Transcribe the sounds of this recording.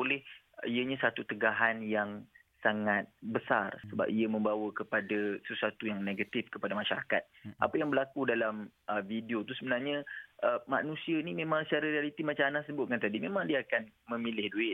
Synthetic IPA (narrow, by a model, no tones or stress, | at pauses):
olɛh | iəɲãsat̪ut̪əɡaɦanjaŋ | saŋat̪̚bəsa̰rssəba̰p̚iəmə̃mbawəkəpadasəsuat̪ujaŋneɡat̪ifkəpadamaʃaɾaka̰t̪̚ʔa̰pajaŋbərlakudalaməvidiot̪usəbənarɲəʔəma̰nũsianimẽmãŋsət͡ʃaɾaɾialit̪imat͡ʃãanahsəbʊt̪̚kant̪adimemãŋdiaakanmə̃milɪhduɪt̪̚